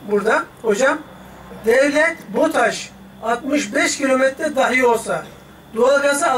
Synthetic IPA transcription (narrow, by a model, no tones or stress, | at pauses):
buɾd̪aho̞d͡ʒam | d̪ɛvlʲɛt̪bot̪ʰaʃ | at̪mɯʃbɛʃcʰilʲomɛt̪ɾɛd̪aɦijo̞lˠsa | d̪ualˠɡasɯa